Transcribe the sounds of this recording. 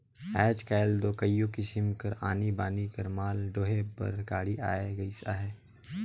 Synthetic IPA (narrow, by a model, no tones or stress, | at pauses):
ɛːd͡ʒkɛːld̪oːkəjːõkisɪmkɐɾa̰ːnibaːnikɐɾmaːlɖoːɦepɐ̰ɾɡaːɽiʔaːeɡɐisa̰ːɦɛː